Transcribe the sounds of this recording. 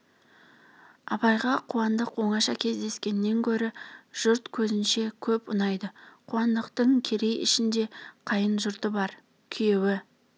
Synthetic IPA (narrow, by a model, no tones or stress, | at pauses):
ɑ̰pɑjʁɑqʰuɑnd̪əqwo̞ɴɑʃɑkʲʰe̞zd̪e̞skʲe̞nɪːe̞ŋkʲʰɵɾɪʒ̥ʊɾt̪kʲʰɵzɪnʃe̞kʲʰɵpʊnɑjd̪əqʰuɑnd̪əqt̪əɴkʲʰe̞ɾe̞jɪ̰ʃɪnd̪e̞qʰɑjənʒʊɾt̪əbɑɾ | kʲʰʏje̞wɪ